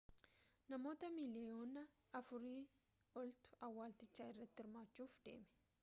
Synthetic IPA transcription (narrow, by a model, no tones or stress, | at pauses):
nɐmo̞ːt̪ɐmɪlɛoːnɐ | ɐfʊɾiː | ɔlt̪ʊ̥ʔɐwːaːlt̪ɪt͡ʃːaːɪrːɐt̪ːɪɪɾmaːt͡ʃːuːfd̪ḛːmɛ̥